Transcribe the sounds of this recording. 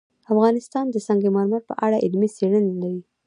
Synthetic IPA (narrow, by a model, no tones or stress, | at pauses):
afɣɑnɪst̪ɑnd̪əsɑŋɡemɑɾmaɾpə̰ʔaɽaʔɪlmiseɽənlawi